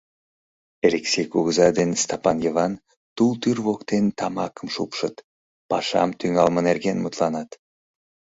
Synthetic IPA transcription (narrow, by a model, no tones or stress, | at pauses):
elʲeksʲejkuɣzɑd̪enst̪ɑpɑnjevɑn | t̪ulˠt̪yɾvokt̪ent̪ɑmɑkəmʃupʃət̪ | pɑʃɑ̰mt̪ʰyŋɑlˠmənerɡenmut̪lˠɑnɑt̪